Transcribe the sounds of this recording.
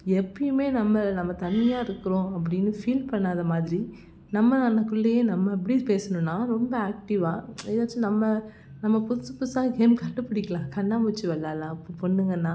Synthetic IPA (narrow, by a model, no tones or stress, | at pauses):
ɛpːɐjɯmeːnɐmːɐnɐmːɐt̪ɐɳːɪjaːɪɾɯkːɯɾõːɐp̬ːɐɽɪnːɯfiːlpɐɳːaːðɐmaːðɪɾi | nɐmːɐnɐnɐkːʊɭːɐjeːnɐmːɐɪp̬ːɐɽipeːsɐnʊ̃nːaːɾɔmbɐaːk̚ʈɪʋaːɛðaːt͡ʃːɯnɐmːɐ | nɐmːɐpʊsɯpːʊsaːɡeːmkɐʈːɯpːɐɽɪkːɐlãːkɐɳːaːmʊt͡ʃːɯʋɛɭːaːlaɐpːopɔɳːɯŋɡɐnːaː